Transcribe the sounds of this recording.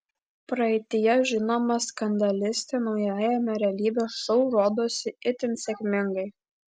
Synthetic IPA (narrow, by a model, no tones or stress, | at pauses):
pɾɐɛɪt̪ʲɪjɛʒʲɪnoːmɐskɐnd̪ɐlʲɪsʲt̪ʲeːnɒʊjæːjɛmʲɛɾʲɛlʲiːbʲeːʃɔʊɾoːd̪oːsʲɪɪt̪ʲɪnsʲɛkʲmʲɪŋɡɐɪ